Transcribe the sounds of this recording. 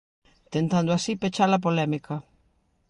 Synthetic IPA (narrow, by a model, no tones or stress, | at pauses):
t̪ent̪and̪ʊasipet͡ʃalɐp̬olɛmikɐ